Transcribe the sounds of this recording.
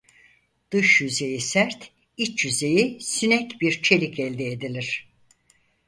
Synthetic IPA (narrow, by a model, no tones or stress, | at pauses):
d̪̥ɯʃjyze̞jisæɾt̪ | it͡ʃjyze̞jisynɛcbiɾt͡ʃʰe̞lʲicɛlʲd̪eːd̪ilʲiɾ̥